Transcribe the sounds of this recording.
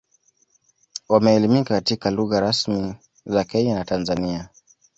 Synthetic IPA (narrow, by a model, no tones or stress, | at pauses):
wamɛːlimikakatikaluɣaɾasmi | zakɛɲanatanzania